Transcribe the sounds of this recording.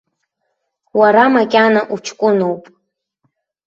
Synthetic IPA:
waɾamakʲʼanaʔut͡ʃʰkʷʼʊnowpʼ

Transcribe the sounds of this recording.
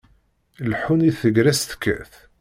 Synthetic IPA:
lħuniθəɡɾæst̪ə̥kːæ̰θ

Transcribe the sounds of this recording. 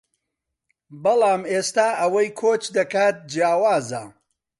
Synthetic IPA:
bɐlˠaːmeːst̪aːʔɐwɐjkʰoːt͡ʃd̪ɐkaːt̪̚d͡ʒjaːwaːza

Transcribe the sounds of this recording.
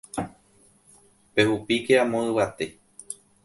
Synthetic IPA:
pe̞hupikeamõɨwat̪e̞

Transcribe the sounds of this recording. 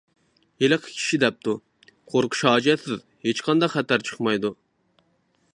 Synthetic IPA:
jeləqʰə̥kʲʰi̥ʃid̪ɛp̚t̪u | qʰoɾqʰʊ̥ʃɑːd͡ʒɛt̪sɪð | het͡ʃqʰɑnd̪ɑqχɛt̪æɾt͡ʃʰə̥χmɑjd̪u

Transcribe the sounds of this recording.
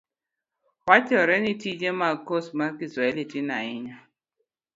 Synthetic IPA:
wat͡ʃɔɾɛnitid͡ʒemakosmakisɾaelitinaɪɲa

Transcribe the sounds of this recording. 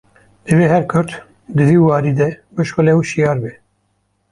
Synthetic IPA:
d̪ɨveːɦɛɾkʰʊɾt̪ | d̪ɨviːwɑːɾiːd̪ɛbɨʃxəlewuʃijɑːɾbe

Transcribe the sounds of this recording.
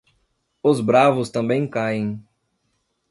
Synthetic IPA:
ʊzbɾavʊst̪ɐ̃mbẽj̃kajẽj̃

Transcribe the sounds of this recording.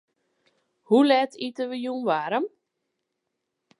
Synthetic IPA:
hulɛtʰitəʋəjuːnʋaɾəm

